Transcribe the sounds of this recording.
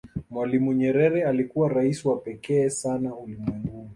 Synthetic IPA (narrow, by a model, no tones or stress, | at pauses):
mwalimuɲɛɾɛɾɛalikuwaɾaisiwapɛkɛːsanahulimwɛŋɡuni